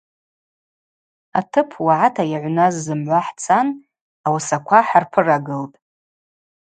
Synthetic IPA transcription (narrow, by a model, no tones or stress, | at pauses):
a̰tʰɨpʰwaʕatʰajaʕʷnazːɨmʕʷaħt͡sʰan | awasakʷʰaħarpʰɨraɡɨltʼ